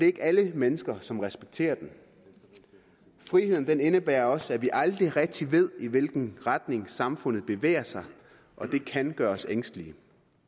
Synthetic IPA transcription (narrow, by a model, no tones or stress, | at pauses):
ɒd̥e̝ɐe̝ɡ̥æləmenəsɡ̥ɐsɒ̽mʁɛsb̥eɡ̥̚t͡sʰe̝̰ːɐd̥en | fʁihe̝ð̰ˠn̩d̥ene̝nəb̥æːɐɒ̽sæʋiʔɑ̈ld̥ʁiʁɛɡ̥̚d̥iʋe̝ð̞̰ˠiʋe̝lɡ̥n̩ʁad̥ne̝ŋsɑ̈mfɔ̽n̰ð̞̩ˠb̥e̝ʋḛːɐsɑ̈ɪ | ʔɒ̽d̥e̝kʰænɡ̥ɶːɐɒseŋ̰sd̥əli